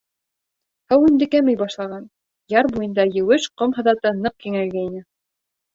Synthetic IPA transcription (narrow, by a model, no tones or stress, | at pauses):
hæwɘ̆nd̪ɘ̆kæmɘjbɑʃlˠɑʁɑn | jɑɾbujɤ̆nd̪ɑjɘ̆wɘʃqomɦɤ̆ðɑt̪ɤnɤq̚kiŋælɡæinɘ